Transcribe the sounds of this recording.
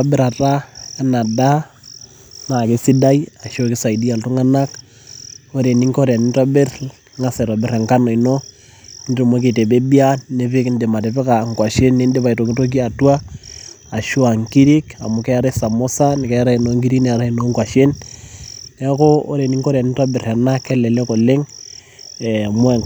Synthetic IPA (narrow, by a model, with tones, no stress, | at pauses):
abe˦ɾa˨ta˦a˦na˨da˦ | na˨ke˦si˦da˦i˦a˨ʃo˦ki˦sa˨i˨di˦a˨ltu˦ŋa˦na˦k | o˦ɾe˨ni˦ŋko˦ɾja˨ni˦ntwa˦be˦r | ŋa˦sa˨i˨twa˨be˦ɾe˨ŋka˦no˨i˨no | ndɾi˨mwo˦k̬e˨te˨be˦bi˦a˦ne˦βe˦knde˨ma˨te˨βe˦ka˨ŋkwa˨ʃe˦nːe˦nde˦βa˨i˨to˨ki˦to˦k̬i˦a˨twa˦ | a˨ʃo˦a˨ŋki˦ɾi˦ka̰˨mu˨kɛ˦ɾe˦sa˨mo˦sa˦ni˨kɛ˦ɾa˦i˨no˨ŋki˦ɾi˦kn˦˨a˨ɾa˦i˨no˦ŋkwa˨ʃe˦n | ɛ˦ko˦o˦ɾe˨ni˦ŋko˦ɾja˨ni˦twa˦be˨ɾa˨na˦kːɛ˦lɛ˨le˦ko˨le˦ŋ | ɛmwɛ˦˨